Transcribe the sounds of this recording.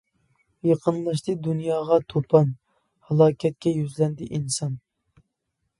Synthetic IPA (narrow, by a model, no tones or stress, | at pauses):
jɑqʰənlˠɑʃt̪ɨd̪unjɑːʁɑt̪ʰopʰɑn | hɑlˠɑːkʲʰɛt̪̚kʲɛjyzlɛnd̪ɪʔinsɑn